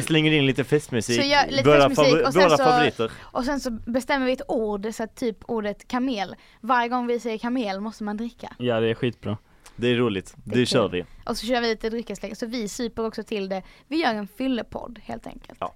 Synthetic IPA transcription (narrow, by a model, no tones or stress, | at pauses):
slɛŋːəɾɪnliːt̪əfɛst̪mʉsisːɔjːliːmfɔvɛːɾasfavʊɾiːt̪əɾʔɔs̬ɛnsɔbɛst̪ɛmːəɾvɪɛt̪uːɖsɔat̪ʰːyːpʰuːɖət̪kʰameːl | vaɾjəɡɔŋːvɪsɛjːəkʰameːlmɔst̪əmand̪ɾɪkʰːa̰jɑːd̪ɛæɾɧiːt̪̚bɾɑ̰ː | d̪ɛæɾɾuːlɪt̪d̪ɛɕœːɾvɪ̰ʔɔsɔɕœːɾvɪliːt̪əd̪ɾʏkːəslɛɡsɔvɪsʉːpəɾɔksɔt̪ʰɪld̪ɛvɪjœːɾɛnfʏlːəpʰɔ̰d̪ːhḛːlt̪ʰɛ̰ŋkə̰lt̪ː